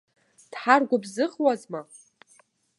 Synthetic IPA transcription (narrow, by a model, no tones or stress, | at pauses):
d̥ħarɡʷabzɨχwazma